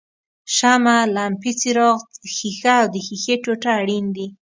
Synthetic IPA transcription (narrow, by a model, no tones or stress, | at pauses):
ʃamalampit͡siɾɔʁxixaːwd̪əxixeʈoʈaːɽind̪i